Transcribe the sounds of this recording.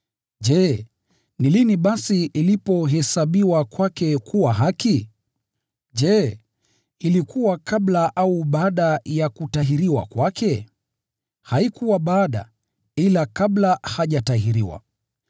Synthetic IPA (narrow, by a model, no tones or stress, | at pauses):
ʄɛ | niliniɓasiilipɔɦɛsaɓiwakwakɛkʰuwaɦaki | ʄɛ | ilikuwakaɓlaʔauɓaːɗajakutaɦiɾiwa̰kwakʰɛ | haikuwaɓaːɗa̰ | ilakablahaʄataɦiɾiwa̰